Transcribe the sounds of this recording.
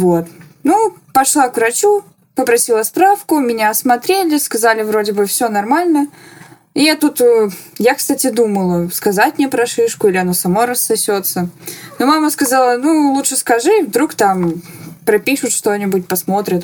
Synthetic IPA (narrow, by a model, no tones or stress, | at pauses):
vot̪ | nupɐʂlˠakvɾɐt͡ɕu | pəpɾɐsʲilˠəspɾafkʊmʲɪnʲasmɐt̪ɾʲelʲɪskɐzalʲɪvɾo̞dʲɪbɨfsʲonɐrmalʲnə | ijat̪ut̪jakst̪atʲɪd̪uməlˠəskɐzatʲmʲnʲepɾɐʂɨʂkʊilʲɪɐnosɐmoɾəsːɐsʲot̪sənomaməskɐzalˠənulˠutʂɨskɐʐɨvd̪ɾukt̪ampɾɐpʲiʂʊt̪ʂt̪o̞nʲɪbʊtʲpɐsmo̞t̪ɾʲɪt̪